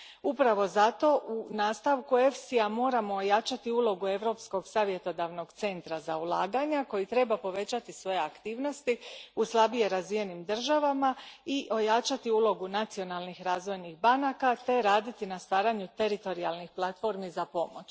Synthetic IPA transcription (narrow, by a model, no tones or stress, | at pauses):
upɾaʋo̞zat̪o̞ʔunaːst̪aʋkue̞fsiamo̞ːɾamo̞ːjat͡ʃat̪iulˠo̞ɡue̞ʋɾo̞psko̞ɡsaːʋje̞t̪o̞d̪aʋno̞ɡt̪se̞nt̪ɾazaulˠaːɡaɲako̞jit̪ɾe̞bapo̞ʋe̞t͡ɕat̪isʋo̞jeakt̪iːʋno̞st̪iuslˠabije̞ɾazʋije̞nimd̪r̩ʒaʋamaiʔo̞jat͡ʃat̪iulˠo̞ɡunat̪sio̞nalˠnixɾaːzʋo̞jnixbanakat̪e̞ɾaːd̪it̪inast̪ʋaːɾaɲut̪e̞ɾit̪o̞ɾialˠnixplˠat̪fo̞ɾmizapo̞mo̞t͡ɕ